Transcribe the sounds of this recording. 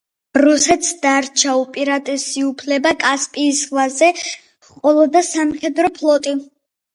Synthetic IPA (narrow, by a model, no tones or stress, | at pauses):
ɾusɛt̪ʰsd̪̥aɾt͡ʃʰaupʼiɾat̪ʼɛsiupʰlɛbakʼaspʼiːsʁvazɛ | χqʼɔlˠɔd̪asamχɛd̪ɾɔpʰlˠɔt̪ʼi